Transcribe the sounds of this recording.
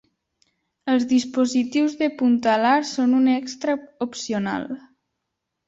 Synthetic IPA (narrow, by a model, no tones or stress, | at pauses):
əlˠzðispozit̪iwzðəpunt̪alaɾsonunɛkst̪ɾəupsiona̰lˠ